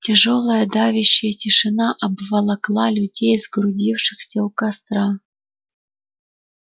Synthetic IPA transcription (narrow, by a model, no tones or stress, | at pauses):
tʲeʐolˠəjəd̪ɑvʲɪɕːejətʲɪʂɨnɑʔɐbvɐlˠɑklˠɑlʲudʲejzɡɾudʲifʂɨxsʲɐukɑst̪ɾɑ